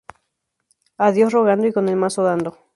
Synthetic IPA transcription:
aðjo̞sro̞ɣ̞and̪oiko̞ne̞lmasoðand̪o

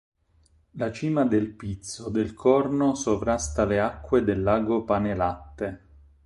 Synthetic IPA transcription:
lat͡ʃiːmad̪elpit̪sːod̪elkʰɔrnosovɾast̪aleakːwed̪elːaːɡopanelat̪ːe

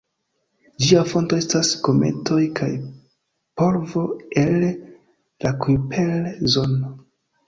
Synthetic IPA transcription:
d͡ʒiafo̞nto̞e̞stasko̞me̞̰tʰo̞jkʰaj | po̞ɾvo̞elː | akupʰelzo̞no

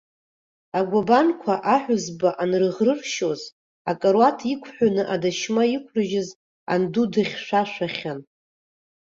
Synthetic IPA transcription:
aɡʷabankʷʰaʔaħᶣʷʊzbaʔanrɨʁrɨrʃo̞z | akʼaɾwatʰikʷʰħᶣʷanɨʔadaʃmaikʷʰrɨʒɪz | a̰ndudɨχʲʂʷaʃʷaχʲan

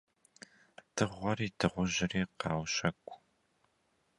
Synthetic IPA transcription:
tʰɨʁʷɔɾiːdʰɨʁʷʊʑɪriːqɑːwɕɐkʷʼ

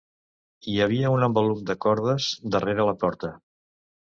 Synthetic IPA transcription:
iəβ̞iəunəmbəlumd̪əkɔɾðəzd̪əreɾələpɔɾt̪ə

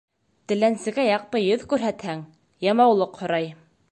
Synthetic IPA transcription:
t̪ɘ̆lænsɘ̆ɡæjɑq̚t̪ɤjɵðkʉɾɦæt̪hæŋ | jɑmɑwlˠɤqhŏɾɑj

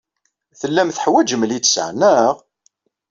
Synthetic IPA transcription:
θəlːæmθəħwæd͡ʒəmlit͡sːsʕnæʁ

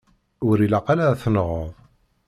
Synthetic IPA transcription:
ʊɾilɑqalaθnʁəðˤ

